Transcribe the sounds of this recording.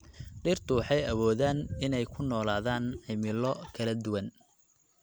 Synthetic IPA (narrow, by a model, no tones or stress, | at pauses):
ɖɪrt̪ʰʊwɑħɑjɐwɔːðaːnɪnɛjkʰʊnɔːlaːðaːnʕɪmɪlɔkʰɐlɐd̪ʊwɐn